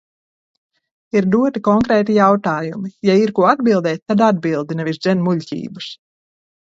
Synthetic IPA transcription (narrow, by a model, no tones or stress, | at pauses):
iɾd̪uɔt̪ikɔŋkɾɛːt̪ijawt̪aːjumijaiɾkuɔad̪̚bilˠd̪ɛːt̪̚ʲt̪ːad̪ad̪̚bilˠd̪inɛvʲizd̪zʲɛnmulʲcʲḭːbɨs